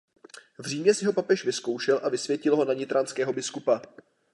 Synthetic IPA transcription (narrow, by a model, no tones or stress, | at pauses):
vr̝iːmɲɛsɪɦo̞papɛʃvɪsko̞wʃɛlʔavɪsvjɛcɪlɦo̞naɲɪt̪ɾʔanskɛːɦo̞bɪskupa